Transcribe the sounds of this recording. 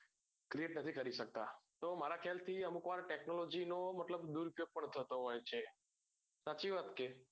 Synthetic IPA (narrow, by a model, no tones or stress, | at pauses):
kɾieʈnət̪ʰikəɾiʃək̚t̪at̪omaɾakʰjalt̪ʰiəmukʋaɾʈeknolod͡ʒinomət̪ləbd̪uɾupjoɡ̚pəɳt̪ʰət̪oɦojt͡ʃʰe | sat͡ʃiʋat̪ke